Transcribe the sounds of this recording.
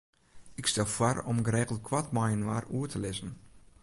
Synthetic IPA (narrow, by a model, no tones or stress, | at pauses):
ɪkstɛlˠfwɔrɔmɡəɾeːɣəl̩ˠtkʰwatmajənʋaːruətʰəlɪzən̩